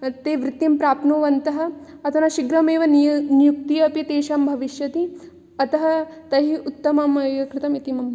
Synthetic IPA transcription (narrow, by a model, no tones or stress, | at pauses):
t̪eːʋɾɪt̪jimpɾaːpnoːʋɐnt̪ɐɦɐ̆ | ɐt̪ʰɐnɐʃiɡɾɐmeːʋɐnnjuk̚t̪ijɐpit̪eːʃɐmbʱɐʋiʃjɐt̪i | ɐt̪ɐɦɐt̪ɐɦiut̪ːɐmɐmɐʋɐkɾɪt̪ɐmit̪imɐm